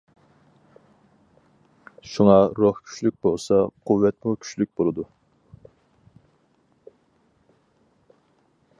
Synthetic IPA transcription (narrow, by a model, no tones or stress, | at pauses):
ʃuŋɑɾohkʲʰy̥ʃlyk̚ʲbolˠsɑqʰuwːɛt̪mukʲʰy̥t͡ʃlyk̚ʲbolˠɨd̪u